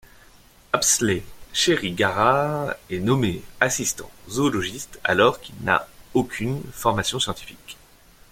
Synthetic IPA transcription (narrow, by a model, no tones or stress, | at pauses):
apsleʃeʁiɡaʁaʁɛnɔmeasist̪ɑ̰̃zoːlɔʒist̪a̰lɔʁkilna̰okʲʰynfɔʁmasjɔ̃sjɑ̃t̪i̥fik